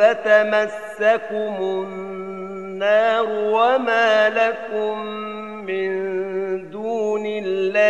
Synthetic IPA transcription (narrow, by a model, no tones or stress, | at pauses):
at̪amasːakʊmʊnː | ɑːɾʊwamaːlakʊmː | ɪnd̪uːnɪlːaː